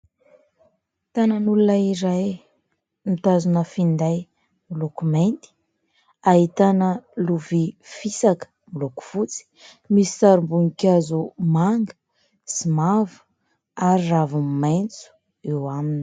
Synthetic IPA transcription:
t̪anənulunəiɾaj | nit̪azunəfind̪aj | milokument̪i̥ | aɦit̪anəluvifisakə̥ | miloku̥v̥ut͡si̥ | misi̥saɾumbuŋikʲazumaŋɡə̥ | simavə̥ | aɾiravummajnt͡su̥ | ewamini̥

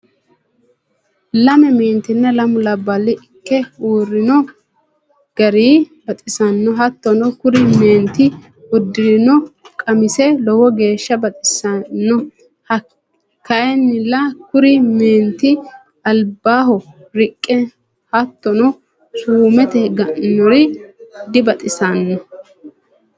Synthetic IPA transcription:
lɐmɛmeːnt̪ɪnːɐlɐmʊlɐbːɐlːɪʔɪkːɛuːrːɪnɔ | ɡ̥ɐɾiːbɐt̪ʼɪsɐnːɔɦɐt̪ːɔnɔkʊɾɪmeːnt̪ɪ | ʊd̪ːɪɾɪnɔkʼɐmɪsɛlɔwɔɡe̞ːʃːɐbɐt̪ʼɪsɐnːɔ | hɐ | kɐʔɛnːɪlːɐkʊɾɪmeːnt̪ɪ | ɐlbaːɦɔ | ɾɪkʼːɛ | hɐt̪ːɔnɔ | suːmɛt̪ɛɡɐʔnɔɾɪd̪ɪbɐt̪ʼɪsɐnːɔ

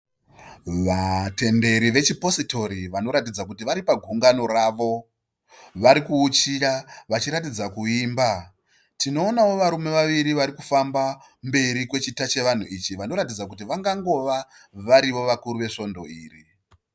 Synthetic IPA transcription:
ʋate̞nde̞ɾiʋe̞t͡ʃipo̞sito̞ɾiʋano̞ɾat̬id͡zakutiʋaɾipaɡʱuŋɡano̞raʋo̞ | ʋaɾikuːt͡ʃiraʋat͡ʃiɾat̬id͡zakuiːmba | tino̞ːnawo̞ʋaɾume̞ʋaʋiɾiʋaɾikufamba | mbe̞ɾikwe̞t͡ʃitat͡ʃe̞ʋan̤uit͡ʃiʋano̞ɾatid͡zakutiʋaŋɡaŋɡo̞ʋa | ʋaɾiʋo̞ʋakuɾuʋe̞ʂo̞ndo̞iːri

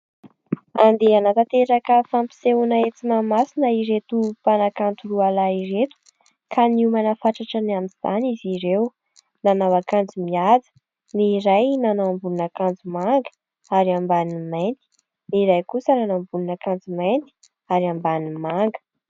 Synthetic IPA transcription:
and̪eanat̪at̪eɾakəfampi̥seunaet͡simamasinəiɾet̪upanakant̪ulualaiɾet̪u̥ | kʰaniumanəfaʈ͡ʂaʈ͡ʂanamiz̥a̰niziɾew | nanawakand͡zumiad͡zə̥ | niɾajnanawambununakand͡zumaŋɡə̥ | aɾambanimajnt̪i̥ | niɾajkusənanambununakand͡zumajnt̪i̥ | aɾiambanimaŋɡə̥

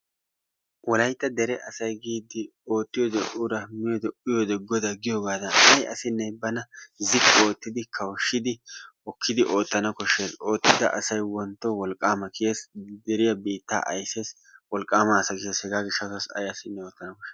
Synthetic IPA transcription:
wɔlɐjt̪ʼːɐd̪ɛɾɛʔɐsɐjɡiːd̪ɪ | o̞ːt̪ːɪjɔd̪ɛʔʊɾɐmɪjod̪ɛʊjod̪ɛɡɔd̪ɐɡɪjoːɡaːd̪ɐʔɐjʔɐ̰sɪnːɛjbɐnɐzɪkʼːo̞ːt̪ːɪd̪ɪkʰɐwʃːɪd̪ɪ | ɔkʰːɪd̪ɪʔo̞ːt̪ːɐnɐkɔʃːezo̞ːt̪ːɪd̪ɐ̰ʔɐsɐjwɔnt̪ːowɔlkʼːaːmɐkɪjesd̪ɛɾɪjɐbiːt̪ːa̰ːʔɐjseːs | wɔlkʼːaːmɐːsɐɡɪʃɐshɛɡaːɡɪʃɐsɐsɐ̰jɐsɪnːɛoːt̪ːɐnɐkɔʃːe

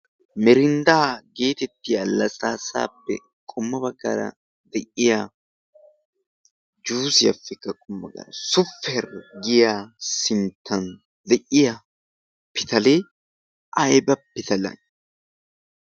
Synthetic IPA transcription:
mɛɾɪnd̪aːɡe̞ːt̪ɛt̪ːɪjɐlːɐsʼaːsa̰ːpːɛ̰ | kʼʊmːɐbɐɡɐɾɐ̰ | d̪ɛʔɪja | d͡ʒuːsɪjɐ̰fːɛkːɐkʼʊmːɐ̰ɡʼɐ̰ɾɐsʊfːɛɾɡɪjaːsɪnt̪ʰːɐn | d̪ɛʔɪja | pɪt̪ɐleː | ʔɐjbɐpːɪt̪ɐlɐ̰n

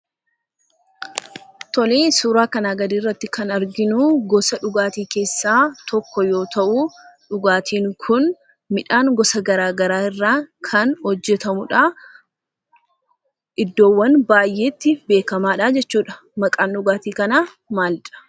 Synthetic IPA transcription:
t̪ɔleːsuːɾaːkɐnaːɡɐd̪iːrːɐt̪ːɪkɐnɐɾɡɪnuːɡɔsɐᶑʊɡaːt̪iːke̞ːsːaːt̪ɔkːɔjo̞ːt̪ɐʔuᶑʊɡaːt̪ʰiːŋkʰʊn | mɪᶑaːŋɡɔsɐɡɐɾaːɡɐɾaːɪrːaːkʰɐnhɔd͡ʒːɛt̪ɐmʊᶑaː | ʔɪd̪ːo̞ːwːɐnbaːjʔe̞ːt̪ːɪbe̞ːkɐmaːᶑaːd͡ʒɛt͡ʃːuːᶑɐ̥ | mɐkʼaːnᶑʊɡaːt̪iːkɐnaː | maːlᶑɐ̥

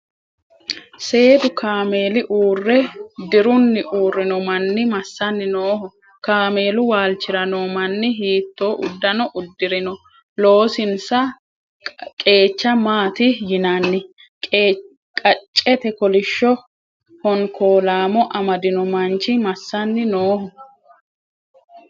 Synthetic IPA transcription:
se̞ːd̪ʊkʰaːme̞ːlɪʔuːrːɛd̪ɪɾʊnːɪʔuːrːɪnɔmɐnːɪmɐsːɐnːɪnoːhɔ | kaːme̞ːlʊwaːlt͡ʃːɪɾɐnɔmɐnːɪɦiːt̪ːo̞ːʔʊd̪ːɐnɔʔʊd̪ːɪɾɪnɔ | lo̞ːsɪnsɐ | kʼe̞ːt͡ʃːɐmaːt̪ɪjɪnɐnːɪ | kʼː | kʼɐt͡ʃʼːɛt̪ɛkɔlɪʃːɔ | hɔŋkʰoːlaːmɔʔɐmɐd̪ɪnɔmɐnt͡ʃɪmɐsːɐnːɪnoːhɔ

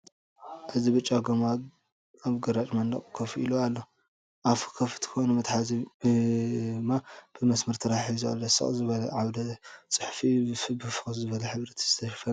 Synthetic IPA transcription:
ʔɨzibɨt͡ʃʼːaɡɐma | aβɡɐɾat͡ʃʼmɐnlɐ̰kʼkʰɐfiloalːo | ʔafkʰɐfɨ̥t̪ʰɨ̥xonumɨt̪ħazi | mab̥ɨmɐsmɐɾt̪ʰɨɾaħizua̰lːosɐ̰χʼzɨβɐlɐʕawd̪ɐt͡sʼɨħfifbɨfɨxʼszɨβɐlɐħɨβɾɐt̪ʰi̥z̥ɨt̪ʰɐʃɐ̥fɐ

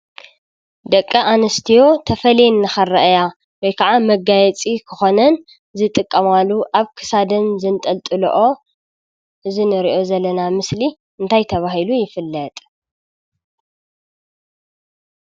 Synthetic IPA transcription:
d̪ɐkʼːɐʔanɐst̪ʰijo̞t̪ʰɐfɐlenːɨxɐrɐʔja | wɔjkʰaʕamɐɡajɛt͡sʼikʰɨxo̞nɐn | zɨt̪ʼɨkʼːɐmalːuʔaβkʰɨ̥sad̪ɨnzɨnt̪ʼɐlt̪ʼɨlo̰ʔo̞ | ʔɨzinɨɾiʔo̞zɐlːɐnamɨsli | ɨnt̪ʰajt̪ʰɐβaɦilujɪfɨlːɐt̪ʼ

